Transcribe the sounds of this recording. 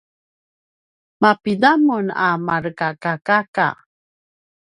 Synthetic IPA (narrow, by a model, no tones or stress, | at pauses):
mapidamuna̰maɾkakakaka̰